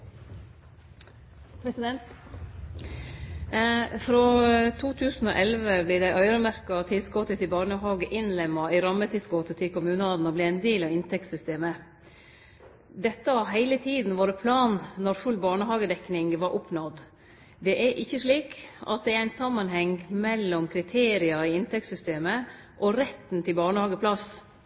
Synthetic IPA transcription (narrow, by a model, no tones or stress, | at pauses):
pʰɾɛsɪɛnt̪ | fɾoːt̪ʰuːt̪ʰʉːsn̩o̰ːʔɛlʋəblɪːd̪æɪʔœʏɾəmæɾkɑt̪ʰɪlsɡoːt̪ət̪ɪlbɑːɳəɦɑːɡəʔɪnlɛmːɑɪɾɑmːət̪ʰɪlsɡoːt̪ət̪ʰɪkʰʊmʉːnəɑd̪n̩ɔblɪːɛɪnd̪eːlɑʋɪnt̪ʰɛkt̪sʏst̪eːmə | d̪ɛt̪ːəhɑɾɦæɪlət̪ʰiːd̪n̩ʋoːɾəpʰlɑːnːɔɾfʉlːbɑːɳəɦɑːɡəd̪ɛknɪŋʋɑɾʔʊpnɔd̪ | d̪ɛʔæɾʔɪçːəʂɭiːkɑ̰t̪̚d̪ɛɛɾæɪnsɑmːɑnɦɛŋmɛlːɔmkʰɾɪt̪ʰeːɾɪɑɪɪnt̪ʰɛksʏst̪eːmə | ʔɔɾɛt̪ːn̩t̪ʰɪlbɑːɳəhɑːɡəpʰlɑs